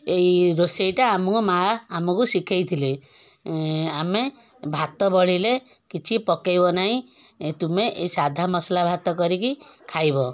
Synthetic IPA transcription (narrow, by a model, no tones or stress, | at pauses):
ejɾosejʈaːmɔkumaːmɔkusikʰajt̪ʰile | ame | bʱat̪ɔbɔɭ̤ile | kit͡ʃʰipɔkajbɔnaɦĩ | t̪umeʔḛjsad̪ʱamɔslabʱat̪ɔkɔɾikikʰajbɔ